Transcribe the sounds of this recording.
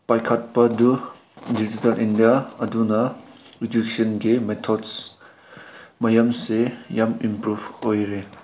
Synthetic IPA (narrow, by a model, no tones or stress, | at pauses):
pajkʰɐt̚pɐdu | did͡ʒitɐlʔindijaɐdunɐɾidiksɔnɡimetʰɔds | mɐjamsejamimpɾubojɾe